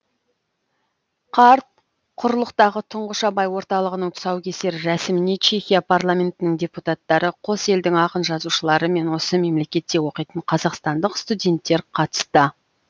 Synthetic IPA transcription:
qʰɑɾt̪̚ | qʰʊɾlˠəqt̪ɑʁət̪ʰʊɴʁəʃɑbɑjwo̞ɾt̪ɑlˠəʁənəɴt̪ʰʊ̥sɑwkʲʰe̞se̞ɾɪɾæsɪmɪne̞t͡ʃʰe̞xʲijapʰarlˠamʲe̞nt̪ɪnɪŋdʲe̞put̪at̪ːɑɾəqʰo̞se̞ld̪ɪŋɑqənʒɑzuʃəlˠɑɾəme̞nwo̞səme̞mle̞kʲe̞t̪ːe̞wo̞qijt̪əɴqʰɑzɑqst̪ɑnd̪əqst̪ud̪ʲe̞nt̪ːe̞ɾqʰɑt̪ə̥st̪ə

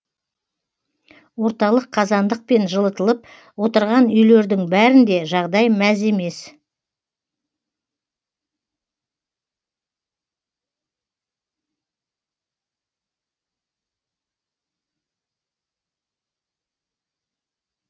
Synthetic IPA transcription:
wo̞ɾt̪ɑlˠəqʰːɑzɑnd̪əq̚pe̞nʒəlˠət̪əlˠəp̚ | wo̞t̪əɾʁɑnʏjle̞ɾd̪ɪŋbæɾɪnd̪e̞ʒɑʁd̪ɑjmæze̞me̞s

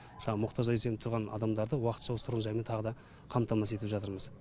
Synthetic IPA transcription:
ʒ̥ɑmʊqt̪ɑʒɑesenɪt̪ʰʊɾʁɑnɑ̰d̪ɑmd̪ɑɾd̪əwɑqət̪ʃɑwosət̪ʰɾʁənʒɑjment̪ʰɑʁəd̪ɑ | qʰɑmt̪ʰɑmɑse̞t̪ɪpʒɑt̪əɾməz

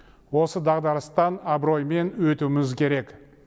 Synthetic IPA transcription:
wo̞səd̪ɑʁd̪ɑɾəst̪ɑnabɾo̞jme̞nwɵt̪umɪzkʲʰe̞ɾe̞k

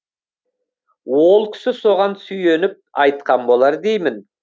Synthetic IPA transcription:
wo̞lˠkʲʰɪ̥sɪso̞ʁɑnsʏje̞nɪp̚ɑjt̪̚qɑnbo̞lˠɑɾd̪e̞jmɪn

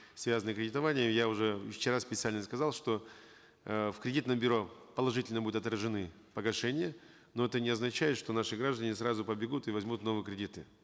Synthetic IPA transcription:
svʲazənəkɾʲɪdʲɪt̪ɐvanʲɪjəmjaʊʐɛɪft͡ɕːɪɾaspʲɪt̪sɨalʲnəskɐzalˠʂt̪o̞ | fkɾʲɪdʲit̪nəmbʲʏɾo̞pəlˠɐʐɨtʲɪlʲnəbud̪ʊt̪ɐt̪ɾəʐɨnɨ | pəɡɐʂɛnʲɪjə | noɛt̪ənʲɪɐznɐt͡ɕæjɪt̪ʂt̪o̞naʂɨɡɾaʐd̪ənʲɪsɾazʊpəbʲɪɡut̪ɨvɐzʲmut̪no̞vɨjəkɾʲɪdʲit̪ɨ

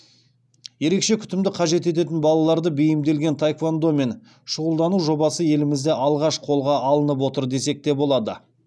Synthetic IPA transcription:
je̞ɾe̞kʃe̞kʲʰʏ̥t̪ɪmd̪ɪqʰɑʒe̞t̪e̞t̪̬e̞t̪ɪnbɑlˠɑlˠɑɾd̪əbejɪmd̪e̞lɡʲe̞nt̪ʰajkvand̪o̞me̞n | ʃʊʁəlˠd̪ɑnuwʒo̞bɑsəje̞lɪmɪzd̪e̞ʔɑlˠʁɑʃqʰo̞lˠʁɑʔɑlˠənəp̬wo̞t̪əɾd̪e̞se̞k̚t̪e̞bo̞lˠɑd̪ə

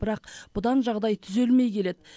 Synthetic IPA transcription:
bɪɾɑqb̥ʊd̪ɑnʒɑʁd̪ɑjt̪ʰʏze̞lme̞jkʲʰe̞le̞d̪ɪ

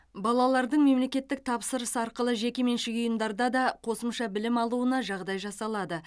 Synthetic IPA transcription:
bɑlˠɑlˠɑɾd̪əɴme̞mle̞kʲe̞t̪ːɪk̚t̪ʰɑpsəɾəsəɑɾqəlˠəʒe̞kʲeme̞nʃɪkʲʊjəmd̪ɑɾd̪ɑd̪ɑqʰo̞səmʃɑbɪlɪmɑlˠuənɑʒɑʁd̪ɑjʒɑsɑlˠɑd̪ə

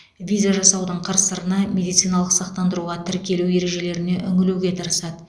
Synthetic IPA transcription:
vʲijzaʒɑsɑwd̪əɴqʰəɾsəɾənɑmʲe̞d̪ijt̪sijnaɑlˠəqsɑqt̪ɑnd̪əɾuʁɑt̪ʰɪɾkʲe̞luwe̞ɾe̞ʒe̞le̞ɾɪne̞ʔʏŋɪluɡʲe̞t̪ʰɑɾəsɑd̪ə

